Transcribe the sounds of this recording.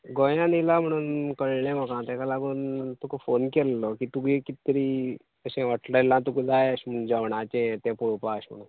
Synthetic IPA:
ɡojãnilam̤əɽ̃uːnkəɭɳɛm̤ɔkãt̪ɛ̃kalaɡuːnt̪ukofonkɛlːɔkit̪ukikit̪ɾiː | əɕɛ̃ʋaʈləlãt̪̬ukud͡zajəɕm̤əd͡ʑaʋɳat͡ɕɛ̃t̪ɛ̃puɭpaəɕm̤ɽ̃uːn

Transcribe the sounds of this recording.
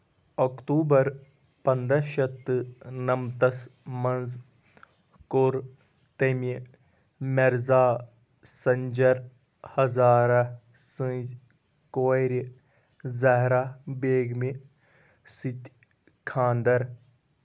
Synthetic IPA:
okt̪uːbɐɾ | pɐnd̪ɐʃɐt̪ːɨnɐmt̪ɐsmɐnz | koɾ | t̪ɐmi | mɐɾzaː | sɐɲd͡ʒɐɾ | hɐzaːɾa | sɨ̃ːzʲ | koːɾi | zɐɦɾaːbeːɡmi | sit̪ʲ | kʰãːnd̪ɐɾ

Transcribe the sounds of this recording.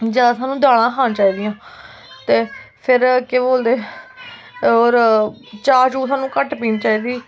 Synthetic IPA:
d͡ʒeːasaːnũːd̪aːɽãːkʰaːt͡ʃaːiːd̪ɪjãː | t̪eːpʰɪɾkeboːld̪eː | ɔːɾ | t͡ʃaːɾd͡ʒuːsaːnũːkəʈpiːnĩt͡ʃaːiːd̪iː

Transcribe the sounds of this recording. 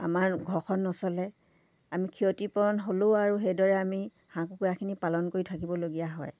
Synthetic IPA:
a̰maɹɡʱɔxɔnːɔsɔlɛ | amikʰiotipɔɹɔnɦoloaɹuɦejdɔɹɛami | hãkukuɹakʰinipalɔnkoɹitʰakibɔloɡijaɦɔj

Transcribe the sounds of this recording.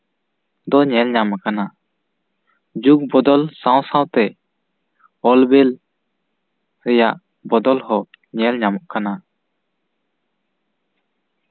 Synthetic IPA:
d̪ɔɲɛlɲamakana | d͡ʒuk̚bɔd̪ɔlsãw̃sawt̪ɛ | ɔlbɛl | ɾɛjaʔ | bɔd̪ɔlhɔ | ɲɛlɲamɔʔkana

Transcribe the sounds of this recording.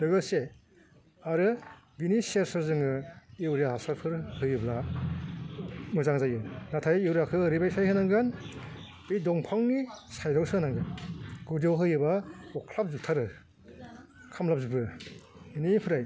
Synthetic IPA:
lɯɡɯse | aɾɯ | biniseɾsaɾzɯŋɯiwɾjaɦasaɾpʰɯɾhɯjɯbla | mɯzaŋzajɯnatʰajiwɾakʰɯɾibajsajhɯnaŋɡan | b̥ijdɔŋpʰaŋnisajɾawsɯnaŋɡanɡɯdewɦɯjɯbaɔkʰlap̚zutʰaɾɯ | kʰamlap̚zubɯ | inipʰɯɾaj

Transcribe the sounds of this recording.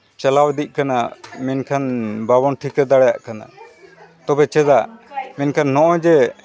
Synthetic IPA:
t͡ʃalawd̪ic̚ˀkana̰mɛnkʰanbabɔnʈʰikɛd̪aɽɛja̰ʔkana̰ | t̪ɔbɛt͡ʃɛd̪amɛnkʰanːɔʔɔ̃d͡ʒɛ

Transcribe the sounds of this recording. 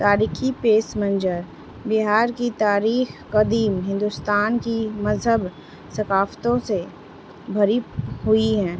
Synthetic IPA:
t̪aːɾiːxʰipeːsmə̃nd͡ʒəɾ | bɪɦaːɾkit̪aːɾiːxkɐd̪iːmɦɪ̃nd̪ʊst̪aːnkimɐzɦəb | sɐkaːft̪õse | bʱɐɾiɦʊiɦɛ̃ː

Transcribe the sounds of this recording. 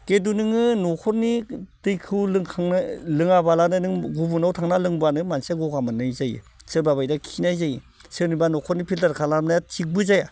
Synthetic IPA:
ɡ̥edunɯŋɯnɔkʰɔɾnitɯjkʰɯwlɯŋkʰaŋnalɯŋabalanɯnɯŋɡubunawtʰaŋnalɯŋbuanɯmansaɡɔɡamanɯjzajɯ̰ | sɯbaβajdakʰinajzaji | sɯnibanɔkʰɔɾnipʰiltaɾkʰalam̚najatʰik̚bɯzaja

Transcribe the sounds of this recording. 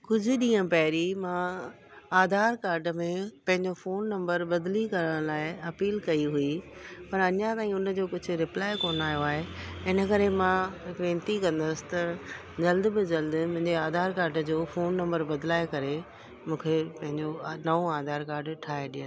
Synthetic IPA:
kʊd͡ʑʱʊɗĩːə̃pɐɦɪɾimãː | aːd̪ʱaːɾkaːɾɖmẽpɐ̃ɦɪ̃ɲd͡ʑofoːnːɐ̃mbəɾbɐd̪likɐɾəɽ̃laːɪɐpiːlkɐiɦuipɐɾɐɲãt̪aːĩʊnəd͡ʑoːkʊd͡ʑʱʊ̆ɾɪplaːɪkoːnaːɦjoaːɦeɪnəkɐɾemãʋẽːnt̪ikɐ̃nd̪əsɪ̥̆t̪ɐ | d͡ʑɐld̪bɪd͡ʑɐld̪mʊ̃ɦɪ̃ɲd͡ʑeaːd̪ʱaːɾkaːɾɖd͡ʑoːfoːnːɐ̃mbəɾbɐd̪laːekɐɾe | mũːkʰepɐ̃ɦɪ̃ɲd͡ʑonɐõaːd̪ʱaːɾkaːɾɖʈʰaːɦeɗĩːə

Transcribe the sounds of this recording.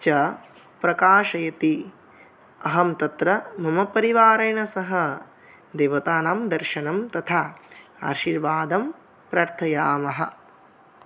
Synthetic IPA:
t͡ʃɐ | pɾɐkaːʃɐjɐt̪i | ɐɦɐmt̪ɐt̪ɾɐmɐmɐpɐɾiʋaːɾɐjɳɐsɐɦɐ | d̪eːʋɐt̪aːnaːmd̪ɐɾʃɐnɐmt̪ɐt̪ʰaa̰ːɾʃiɾʋaːd̪ɐm | pɾaːɾt̪ʰɐjaːmɐɦɐ̰̆

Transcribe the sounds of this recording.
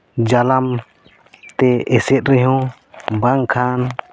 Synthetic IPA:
d͡ʒalam | t̪ɛɛsɛt̪̚ɾɛɦɔ̃ | baŋkʰan

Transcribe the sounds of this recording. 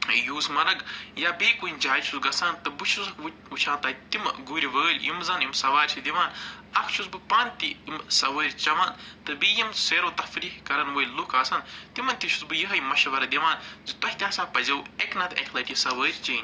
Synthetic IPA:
juːsmɐɾɐɡjaːbeːkunʲd͡ʒaːt͡ʃʰusɡɐsaːnt̪ɨbɨt͡ʃʰuzɐkʰ | ut͡ʃʰãːnt̪ɐːt̪im̰ɡuːɾʲiʋəːlʲḭmzɐnimsɐʋaːɾʲt͡ʃʰid̪iʋaːnɐkʰt͡ʃʰusbɨpaːnt̪iimsɐʋəːɾʲt͡ʃɐʋaːnt̪ɨbijimseːɾoːt̪ɐfɾiːhkɐɾɐnʋɐːjlukʰaːsɐnt̪imɐnʲt̪it͡ʃʰu̥sbɨjiɦɐjmɐʃɐʋɐɾɐd̪ʲiʋaːnzit̪ɐhʲt̪ʲãːsaːpɐzʲɐweknɐt̪ɐ̰kʲʰlɐʈisɐʋəːɾʲt͡ʃiːnʲ

